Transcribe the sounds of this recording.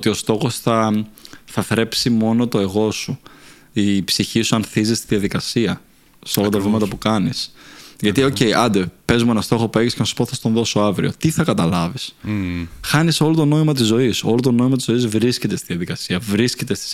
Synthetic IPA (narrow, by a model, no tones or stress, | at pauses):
ot̪io̞st̪o̞xo̞sθɐ | θɐθɾe̞psimo̞no̞t̪o̞e̞ɣo̞su | ipsiçisuɐnθizist̪iðiɐðikɐsiɐ | seo̞lɐt̪ɐvimɐt̪ɐpukɐnisʝɐt̪io̞ce̞jʔɐnd̪epe̞zmue̞nɐst̪o̞xo̞pue̞ʝiscenɐsu̥po̞θɐst̪o̞nðo̞so̞ɐvɾio̞̰t̪iθɐkɐt̪ɐlɐvis | xɐniso̞lot̪o̞no̞imɐt̪izːo̞isolot̪o̞no̞imɐt̪izoizvɾisce̞t̪est̪iðiɐðikɐsiɐvɾiscet̪e̞st̪i̥s